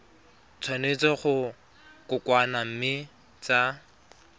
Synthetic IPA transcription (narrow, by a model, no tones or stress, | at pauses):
t͡sʰwanet͡sɔχʊ | kʊkwanam̩mɪ | t͡sa